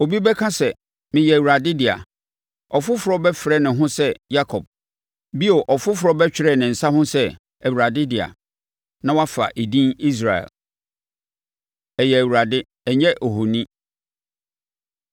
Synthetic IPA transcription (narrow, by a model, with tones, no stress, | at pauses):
o˨bi˦bɛ˦kʰã˦sɛ˨ | mɪ̃˨jɛ˨æ˨wu˨ɾa˨dɪ˦dɪ˨a̰˨ | ɔ˨fʊ˦fʊ˨ɾɔ˦bɛ˦fɪ˨ɾɛ˦nɪ̃˨ɦʊ̃˦sɛ˦ja˦kʰɔ˨b̥̚ | bi˦o˨ʔɔ˨fʊ˦fʊ˨ɾɔ˦bɛ˦t͡ɕᶣɪ˨ɾɛ˦˨nɪ̃˨n̩˨sa˦hʊ̃˦sɛ˦˨ | æ˨wu˨ɾa˨dɪ˦dɪ˨a̰˨ | nã˦wa˦fa̰˨ʔi˨dĩ˦ni˦s̬ɾa˨ɛ̰˨l | ɛ˨jɛ˨æ˨wu˨ɾa˨dɪ˦ | ɛ˨ɲɛ˦ʔo˨ɦo˨nĩ˦